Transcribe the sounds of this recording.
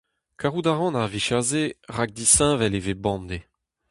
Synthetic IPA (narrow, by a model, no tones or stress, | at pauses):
kʰaʁud̪aʁɑ̃naʁviʃaʁzeʁaɡ̚d̪isɛ̃vɛlevebɑ̃nd̪e